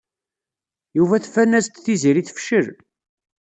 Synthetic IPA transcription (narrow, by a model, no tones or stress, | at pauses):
juvæθfænːæst̪θiziɾiθfʃəɾ